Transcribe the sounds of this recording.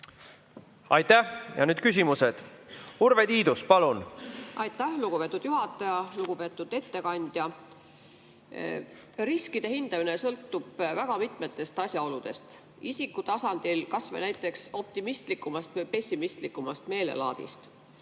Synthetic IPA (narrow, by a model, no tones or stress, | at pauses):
ɑjt̪æhjɑ̰nyːd̪̚kysʲimused̪̥uɾved̪iːd̪uspɑlunʔɑjt̪ːˑæhluɡ̥upe̞t̪ːˑud̪̥juɦɑt̪ˑːɑjɑluɡ̥ube̞ːt̪ːˑud̪̥e̞t̪ːe̞kɑnʲd̪̥jɑ | riskid̪̥e̞hind̪ɑmine̞sɤlt̪ːˑub̥væɡ̥ɑmit̪ˑme̞t̪ːˑe̞st̪ɑsʲjɑo̞lud̪̥e̞st̪ | isikːˑut̪ɑsɑnd̪̥ilkɑsvḛnæjt̪ːˑe̞kso̞p̚t̪imist̪likːˑumɑst̪vɤjpe̞sʲimist̪likːumɑst̪me̞ːle̞̰lɑ̰ːd̪̥ḭst̪